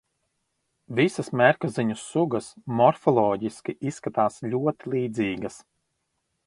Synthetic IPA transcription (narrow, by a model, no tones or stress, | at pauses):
visɐsmʲɛɾkaziɲusːuɡɐsmɔɾfɔlˠɔːɟiskʲiʔisːkat̪aːsʎʲuɔt̪ilˠiːd̪ziːɡɐs